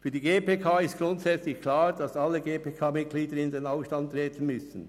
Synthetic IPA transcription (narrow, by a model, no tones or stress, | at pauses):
fyːɐdiːɡeːpeːkʰaːɪst̚ɡ̥ɾʊntsɛt͡slɪçkʰlaːɾd̥ɑsɑlːəɡeːpʰeːkʰaːmɪt̚ɡ̥liːdəɾɪndenaʊfʃtɑntt̪ːɾɛːtʰən̩mʏsn̩